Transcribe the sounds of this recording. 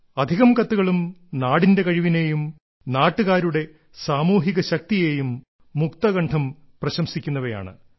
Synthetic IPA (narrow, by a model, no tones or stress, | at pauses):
ɐd̪ʱiɣɐmkɐt̪ːuɣɐɭumnaːɽinde̞kɐɻiʋine̞jum | naːʈːuɣaːɾuɽe̞ | saːmuːɦiɣɐɕɐk̚t̪ije̞ːjumː | ukt̪ɐɣɐɳʈʰɐm | prɐɕɐmsikʲːunːɐʋɐja̰ːɳɨ̰